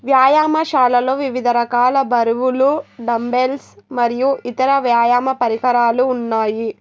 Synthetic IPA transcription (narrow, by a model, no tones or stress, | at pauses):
ʋjaːjaːmɐʃaːlɐloːʋiʋid̪ʱɐɾɐkaːlɐbʱɐɾuʋuluɖɐmbelsmɐɾijuʔit̪ɐɾɐʋjaːjaːmɐpɐɾiɦɐɾaːluːnːaːji